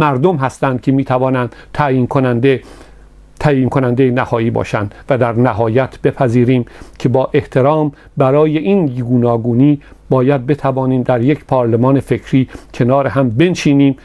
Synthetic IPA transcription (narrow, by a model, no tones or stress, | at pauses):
mæɾd̪omɦæst̪ænd̪̚cʰemiːt̪ʰævɒːnænd̪̥t̪ʰæind̪ | t̪ʰæiːnkʰonænd̪ejenæhɒːjiːbɒ̰ːʃænd̪væd̪æɾnæɦɒːjæt̪ʰb̥e̞pʰæziːɾiːmkʰe̞bɒːʔe̞ht̪ʰe̞ɾɒːm | bæɾɒːjeʔinɡuːnɒːɡuːniːbɒːjæd̪̚be̞t̪ʰævɒːniːmd̪æɾje̞cʰpʰɒːɾlemɒːnefe̞kʰɾiːcʰe̞nɒːɾeɦæmbe̞nʃiːniːm